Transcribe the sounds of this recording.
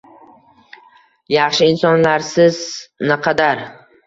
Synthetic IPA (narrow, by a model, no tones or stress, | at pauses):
jɑχʃɪɪnsɒnlaɾsɪznɪqʰɑd̪aɾ